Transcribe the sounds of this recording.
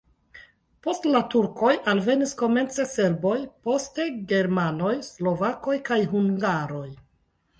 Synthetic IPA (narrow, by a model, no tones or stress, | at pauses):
po̞stlatuɾko̞jalve̞nisko̞me̞nt͡se̞se̞ɾbo̞jpo̞ste̞ɡe̞ɾmano̞jslo̞vako̞jkajɦuŋɡaɾo̞j